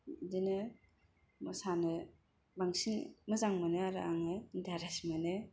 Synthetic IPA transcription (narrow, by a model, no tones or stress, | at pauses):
dinɯ | mɯsanɯ | baŋsinmɯzaŋmaneaɾɯaŋendaɾasimane